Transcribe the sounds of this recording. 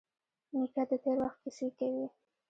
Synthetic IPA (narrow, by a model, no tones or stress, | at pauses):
amikɑd̪ət̪eɾwaxt̪̚kisekawi